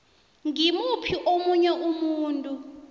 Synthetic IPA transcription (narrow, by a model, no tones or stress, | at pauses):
ŋimupʰiʔomuɲɛʔumuːntʼu